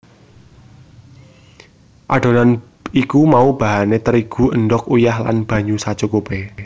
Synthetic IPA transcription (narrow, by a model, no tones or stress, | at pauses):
ʔaɖ̥o̤nan | ikumaub̥a̤ɦanet̪əɾiɡ̥ṳʔənɖɔk̚ujahla̰nb̥ä̤ɲusad̥ʒ̥okobe